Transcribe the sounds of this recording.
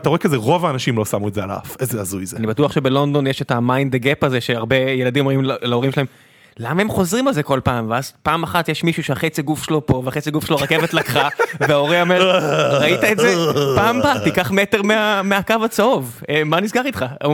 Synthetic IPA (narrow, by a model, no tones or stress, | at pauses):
ataʁoekazeʁo̞vaːnaʃimlosamuezea̰la̰vezeazujzeanibatuɐχʃe̞be̞lo̞nd̪o̞njeʃetamaind̪eɡepaze̞ʃeaʁbe̞jeladimo̞mʁimllao̞ʁimʃelahem | lamaemχo̞zʁimalze̞ko̞lpaːmveazpaːmaχatjeʃmiʃuʃeaχet͡siɡufʃelo̞po̞veaχet͡siɡufʃeloʁake̞vetlakχaveao̞ʁiome̞ʁaitaetzepaːmbat̪ikaχme̞te̞ʁmeameakavat͡saov | emanisɡaʁitχa